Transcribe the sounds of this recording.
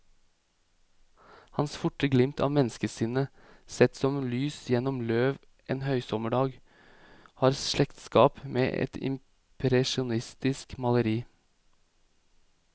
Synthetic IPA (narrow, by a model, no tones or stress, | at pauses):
hɑnsfʊʈəɡlɪmt̪ʰɑ̰ːmɛnskəsɪnə | sɛt̪sɔmlyːsjɛnɔmløːʋ | ʔeːnhœʏsɔməɖɑːɡ | hɑːɾslɛkt̪skɑːpmḛːʔɛ̰t̪ɪ̰m | pʰɾɛʃʊnɪst̪ɪskmɑləɾiː